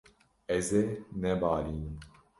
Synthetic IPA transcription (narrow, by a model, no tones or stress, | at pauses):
ɛzenɛbaːliːnɨ